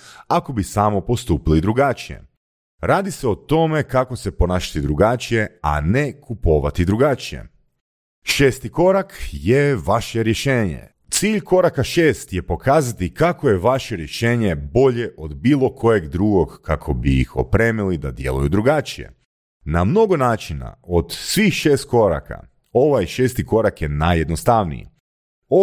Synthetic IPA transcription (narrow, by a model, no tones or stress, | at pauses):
ako̞bisaːmopo̞st̪uːpilid̪ɾuɡat͡ʃije̞̰ | ɾaːd̪iseot̪o̞me̞kako̞se̞po̞naːʃḁt̪id̪ɾuɡat͡ʃije̞a̰nekupo̞ʋat̪id̪ɾuɡat͡ʃijḛ | ʃeːst̪iko̞ɾakjeʋaʃeɾjeʃeːɲḛ | t̪siːʎko̞ɾakaʃe̞ːst̪jepo̞kʰaːzat̪ikakojeʋaʃeɾje̞ʃeːɲebo̞ʎe̞ʔo̞d̪biːlˠo̞kʰo̞je̞ɡd̪ɾuɡo̞ɡkːakʰo̞biḭxo̞̰pɾeːmilid̪ad̪je̞̰lˠṵjud̪ɾuɡat͡ʃijḛ | namno̞ɡo̞naːt͡ʃina̰od̪sʋixʃe̞ːst̪̚ko̞ɾa̰kʰa̰ | o̞ʋajʃe̞ːst̪iko̞ɾakjenajːe̞d̪nost̪aʋnḭjḭ | o